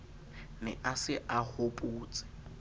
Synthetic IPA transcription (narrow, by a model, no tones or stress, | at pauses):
nɛʔasɪʔahʊpʼuːt͡sʼɪ̥